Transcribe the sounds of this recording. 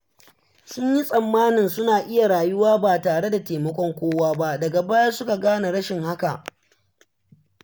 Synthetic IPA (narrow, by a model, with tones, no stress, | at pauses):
sʊ˦ɲji˦sʼɐ˨mːaː˦nɪ˨nsʊ˦naː˨ʔɪ˦ja˨ɽaː˨jʊ˦waː˦baː˨taː˨ɽe˦da˨teː˨mɐ˦kʷɔ˦ŋkʷoː˦waː˦ba˦dɐ˨ɡa˨baː˦ja˦sʊ˦ka˨ɡaː˦na˨ɽɐ˦ʃɪ˨ŋha˦ka˨ʔ